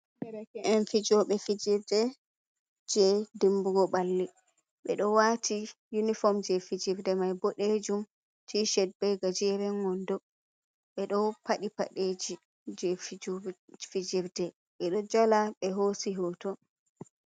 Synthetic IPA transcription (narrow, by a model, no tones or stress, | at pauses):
dɛɾɛkɛʔɛnfid͡ʒɔɓɛfid͡ʒiɾdɛ | d͡ʒɛdimbuɡɔɓalːi | ɓɛ̰ɗɔwatʰi | junifɔmd͡ʒɛfid͡ʒiɾdɛmajboɗed͡ʒum | tʰiʃɛd̚bɛɡad͡ʒɛɾɛŋɔndɔ | ɓɛɗɔpaɗipa̰ɗed͡ʒi | d͡ʒɛfid͡ʒfid͡ʒiɾdɛ | ɓɛɗɔd͡ʒalaɓɛɦosiɦɔtɔ